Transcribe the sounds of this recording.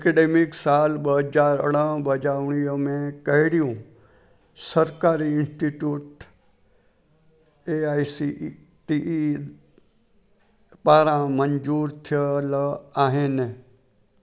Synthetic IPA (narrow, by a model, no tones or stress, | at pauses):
ekeɖemiksalbəd͡ʒaɾɽãbəd͡ʒaʋɳ̃ijomẽkəɦiɽijũ | səɾkaɾiɪ̃nsʈiʈjuʈ | eajsi | ʈiʔi | paɾãməɲd͡ʒuːɾt̪ʰjəlaɦẽne